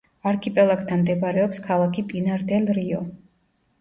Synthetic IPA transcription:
aɾkʰipʼɛlˠak̚t̪ʰanmd̪ɛbaɾɛɔpskʰalˠakʰipʼinaɾd̪ɛlɾiɔ

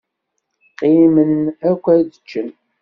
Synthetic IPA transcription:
qimənækʷːæd̪ət͡ʃːən

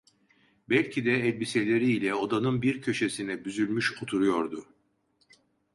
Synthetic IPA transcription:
bɛlʲcʰid̪ɛːlʲbise̞lʲe̞ɾiːlʲɛod̪anɯnbiɾcʰø̞ʃe̞sinɛbyzylʲmyʃot̪ʰuɾujo̞ɾd̪ʊ

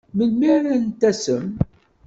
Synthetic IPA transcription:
məlmiɾænt̪æsəm

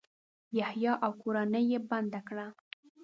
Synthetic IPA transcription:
jahjɑʔawkoɾanəjeband̪akɽa

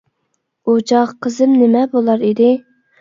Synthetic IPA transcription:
ot͡ʃʰɑʁqʰəzɨmnɪmɛbolˠɑɾid̪ɪ

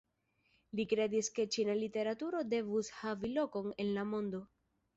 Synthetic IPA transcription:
likɾe̞diske̞t͡ʃinalite̞ɾatuɾo̞de̞vushavilo̞ko̞ne̞nlamo̞ndo̞

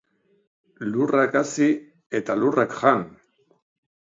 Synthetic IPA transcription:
lurakasi | e̞t̪alurakʝan

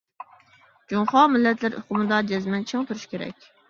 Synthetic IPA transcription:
d͡ʒumχɑmɪlːɛt̪læɾʔo̰qʊmɨd̪ɑd͡ʒɛzmɛnt͡ʃʰeŋt̪ʰuɾu̥ʃkʲʰeɾɛ̰kʲ

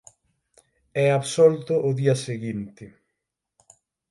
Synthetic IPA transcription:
ɛaβsɔlt̪ʊʔʊðiɐseɣint̪ɪ

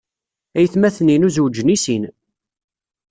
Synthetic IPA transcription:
æjθmæθninuzwd͡ʒːnisin

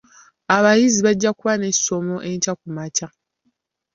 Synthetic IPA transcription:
aβajiziβaɟːakuβane̞i̥so̞mo̞ʔe̞ɲcakumaca

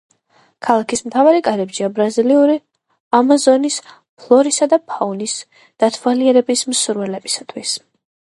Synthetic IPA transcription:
kʰalˠakʰismt̪ʰavaɾikʼaɾɛbʒiabɾaziliuɾi | amazɔnis | pʰlˠɔɾisad̪apʰaunis | d̪̥at̪ʰvaliɛɾɛbismsuɾvɛlɛbisat̪ʰwis

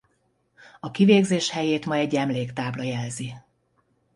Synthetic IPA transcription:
ɒkiveːɡzeːʃhɛjeːt̪mɒjɛɟːɛmleːkt̪aːblɒjɛlzi

